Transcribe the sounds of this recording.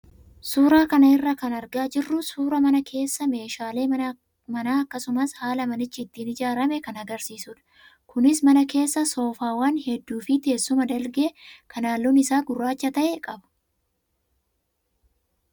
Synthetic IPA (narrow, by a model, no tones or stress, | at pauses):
suːɾaːkɐnɐɪrːɐkɐnɐɾɡaːd͡ʒɪrːʊsuːɾɐmɐnɐkʰe̞ːsːɐme̞ːʃaːle̞ː | mɐnaːɐkːɐsʊmɐshaːlɐmɐnɪt͡ʃːɪːt̪ːiːnɪd͡ʒaːɾɐmɛkɐnɐɡɐɾsiːsʊᶑɐ̥ | kʊnɪsmɐnɐke̞ːsːɐso̞ːfaːwɐnhɛd̪ːuːfɪt̪e̞ːsːʊmɐd̪ɐlɡɛʔɛkɐnaːlːunɪsaːɡʊrːaːt͡ʃːɐt̪ɐʔekʼɐbɐ̥